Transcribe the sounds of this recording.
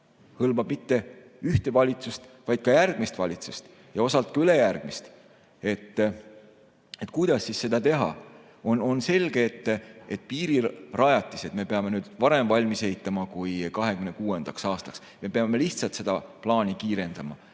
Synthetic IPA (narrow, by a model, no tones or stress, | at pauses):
hɤlmɑb̥mit̪ːe̞ | yht̪e̞vɑlʲit̪sust̪vɑjd̪̥̚kɑjærɡ̥mist̪vɑlʲit̪sust̪ | jɑo̞sɑlt̪̚kɑyle̞jærɡ̥̚mist̪ | e̞t̪ː | e̞t̪kujd̪̥ɑsːisse̞d̪̥ɑt̪e̞ɦɑ̰ | ono̞nse̞lʲɡ̥eːt̪ːet̪̚piːɾirɑjɑt̪ʲːˑise̞t̪me̞pe̞ɑme̞nyːd̪̥vɑɾe̞mvɑlʲmise̞it̪ːˑɑmɑkujkɑɦe̞kymne̞kuːend̪̥ɑksɑːst̪ɑ̥ks | me̞pe̞ɑme̞liht̪sɑlt̪se̞d̪̥ɑplɑːnikiːɾe̞nd̪̥ɑmɑ